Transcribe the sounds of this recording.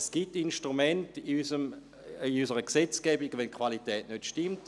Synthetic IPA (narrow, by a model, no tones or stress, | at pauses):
sɡ̥itːinʃtʁumɛntiysəm | iysəʁəksɛt͡skɛbiɡəʋɛnkχʋalitɛːtnøtʃtimt